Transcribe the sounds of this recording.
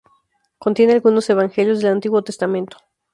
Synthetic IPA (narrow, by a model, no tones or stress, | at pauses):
ko̞nt̪je̞ne̞alɣuno̞se̞βaŋxe̞ljo̞zðe̞lant̪iɣwo̞t̪e̞st̪amẽnt̪o̥